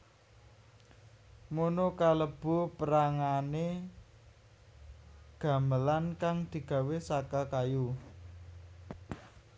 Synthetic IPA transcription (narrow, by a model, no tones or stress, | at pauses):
monokaləb̥ṳpəɾaŋane | ɡ̥a̤məlankaŋd̪̥i̤ɡ̥a̤wesakakaju